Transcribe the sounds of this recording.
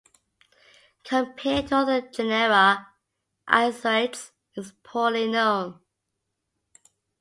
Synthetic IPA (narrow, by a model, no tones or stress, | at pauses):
kʰə̃mpʰɛtʰəðəd͡ʒɛnɛɹə | ʔa̰ɪsaɪts | ɪzpʰɔlinõʊ̃n